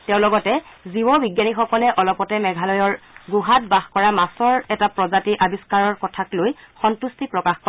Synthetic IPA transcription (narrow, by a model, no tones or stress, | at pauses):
tɛʊ̃lɔɡɔtɛ | ziwɔbiɡjanixɔkɔlɛʔɔlɔpɔtɛmɛɡʱalɔjɔɹɡuɦat̚baxkɔɹamasɔɹɛtapɹɔzatiʔabiskaɹɔɹkɔtʰaklojxɔntustipɹɔkaxkɔ